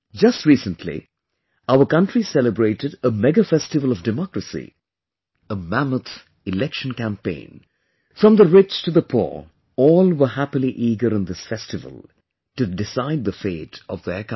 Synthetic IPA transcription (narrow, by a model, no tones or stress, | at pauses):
d͡ʒʌst̚ɹiːsə̃ntʰlḭ | aʊə˞kʌ̃ntɹ̥isɛləbɹeɪɾɨɾəmɛɡɨfɛstɨvəlˠʌvdɨmɔkɹəsḭ | əmæmət̪ | ɨlɛkʃə̃n̩kæ̃mpḛ̃ɪ̃n | fɹʌ̃mðəɹɪt͡ʃtʰɨðəpʰṵɹ | ɔlˠwə˞hæpəliʔiːɡəɾə̃nðɪsfɛstɨvə̰l̩ˠ | tɨdɪsaɪd̪̚ðəfeɪɾʌvðək